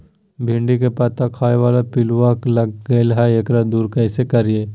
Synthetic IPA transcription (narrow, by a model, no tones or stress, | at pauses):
bʱɪɳɖikepɐt̪akʰaːeʋaːlapɪluʋaklɐɡɡɐelɦaeːkɾad̪uːɾkɐɪsekɐɾieː